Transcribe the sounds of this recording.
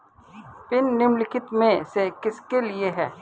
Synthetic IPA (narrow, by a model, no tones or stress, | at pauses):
pɪnːɪmlɪkʰɪt̪mẽsekɪskelieɦɛː